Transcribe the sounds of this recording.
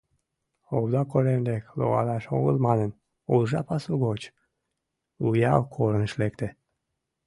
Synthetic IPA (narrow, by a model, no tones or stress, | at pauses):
owd̪ɑkoɾend̪eklo̰ɣɑ̰lɑʃo̰ɣəlmɑnən | ulʒɑpɑsuɣot͡ɕ | ujɑwkʰoɾənʃlekt̪ĕ